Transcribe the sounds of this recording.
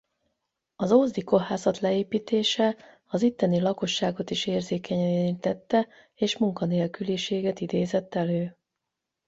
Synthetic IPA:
ɒzoːzd̪iko̞ɦaːzɒt̪lɛeːpiːt̪eːʃɛ | ɒzit̪ːɛnilɒko̞ʃːaːɡo̞t̪iʃeːrzeːkɛɲt̪ɛt̪ːɛ | eːʃmuŋkɒneːlkyliʃeːɡɛt̪id̪eːzɛt̪ːɛløː

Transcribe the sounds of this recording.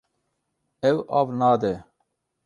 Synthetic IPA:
ɛwaːvnaːd̪ɛ

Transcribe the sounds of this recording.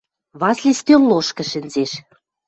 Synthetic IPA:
βɑslʲest̪ømloʃkɤ̆ʃɘ̆nzeʃ

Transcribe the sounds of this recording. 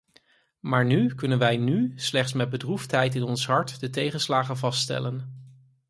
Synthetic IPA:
maːɹnykɵnənʋɛjnyslɛχtsmɛd̚bədruftɦɛjtɪnɔnsɦɑɹtdətejχənslaːχənvɑsttɛ̰lən

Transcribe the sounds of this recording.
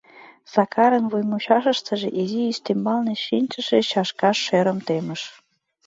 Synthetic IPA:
sɑkɑɾə̆nβujmuɕɑʃə̆ʃt̪ə̆ʒeʔiziːst̪imbɑlneʃinʲt͡ɕə̆ʃet͡ɕɑʃkɑʃːeɾə̆mt̪emə̆ʃ

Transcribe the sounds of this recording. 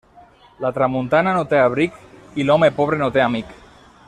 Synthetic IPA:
lat̪ɾamunt̪ananot̪eaβ̞ɾikilɔmepoβ̞ɾenot̪eamik

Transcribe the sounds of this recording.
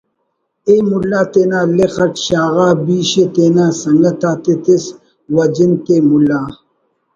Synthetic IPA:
emulːaːt̪eːnaːlexɐkɕaːɣaːbiːɕet̪enaːsɐŋɡɐt̪aːt̪et̪is | wɐd͡ʑint̪emulːaː

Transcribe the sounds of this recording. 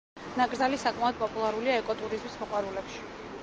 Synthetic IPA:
naɡɾdzalisakʼmaɔd̪̚pʼɔpʼulˠaɾuliaɛkʼɔt̪ʼuɾizmismɔqʼwaɾulɛpʃi̥

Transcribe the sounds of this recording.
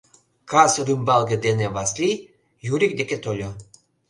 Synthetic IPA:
kɑsrɯmbɑlɡĕd̪eneβɑsli | juɾik̚d̪eket̪olʲo

